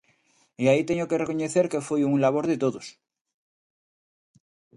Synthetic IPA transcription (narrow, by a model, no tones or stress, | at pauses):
iait̪e̞ɲo̞kere̞ko̞ɲe̞θe̞ɾke̞fwojuŋlaβ̞o̞ɾðe̞t̪o̞ðos